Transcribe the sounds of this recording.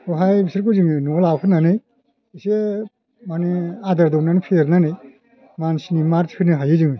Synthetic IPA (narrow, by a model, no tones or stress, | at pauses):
oɦajbisiɾkuzɯŋɯnɔlakʰɯnanɯj | ise | manead̪aɾd̪ɔwnanepʰeɾnanɯj | mansinimaɾt͡ʃkʰɯnɯɦajɯzɯŋɯ